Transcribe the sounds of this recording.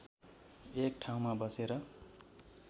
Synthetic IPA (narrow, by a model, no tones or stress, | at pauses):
ek̚ʈʰaw̃mabʌseɾʌ